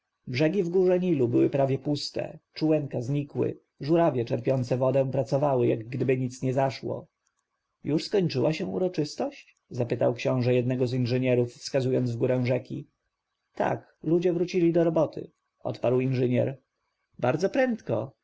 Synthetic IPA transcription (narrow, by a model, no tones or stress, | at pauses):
bʐɛɡʲivɡuʐɛɲilubɘwɘpɾavʲjɛpust̪ɛ̰t͡ʂuwɛŋkazɲikwɘ̰ | ʐuɾavʲjɛt͡ʂɛɾpʲjɔnt̪sɛvɔd̪ɛ̃pɾat̪sɔvawɘjaɡɡd̪ɘbɘɲit̪sɲɛzaʂwɔ̰ | juʂskɔɲt͡ʂɘwaɕɛ̃ṵɾɔt͡ʂɘst̪ɔɕt͡ɕ | zapɘt̪awkɕɔ̃w̃ʐɛjɛd̪nɛɡɔzinʐɛɲɛɾufːskazujɔnd̪zvɡuɾɛ̃w̃ʐɛkʲḭ | t̪a̰k | lud͡ʑɛvɾut͡ɕilʲid̪ɔɾɔbɔt̪ʰɘ̰ | ʔɔ̰t̪paɾwinʐɘɲɛ̰ɾ | baɾd̪zɔpɾɛnt̪kɔ̰